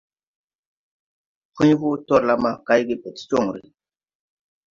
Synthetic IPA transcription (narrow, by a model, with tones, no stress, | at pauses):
hi˦ɲ˦hu˦tɔ˦˨ɾla˦ma˦ka˦jɡi˦pe˨tt͡ʃo˦˨ŋɾḭ˨